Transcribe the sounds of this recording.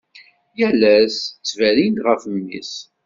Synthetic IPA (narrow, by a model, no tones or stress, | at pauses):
jælæst͡sːvælind̪ʁəfəmːḭs